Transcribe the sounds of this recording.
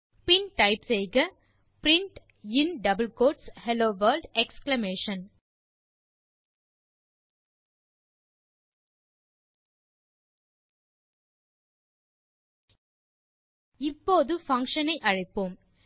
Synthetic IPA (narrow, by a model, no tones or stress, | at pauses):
pɪnʈɐɪpseɪɣɐ | pɾɪɳʈ | ɪnɖɐbɐlkoːʈshɛloːʋɐːɾɖɛksklɐmeːʂɐn | ɪpːoːðɯfɐŋkʂɐnɐɪʔɐɻɐɪpːoːm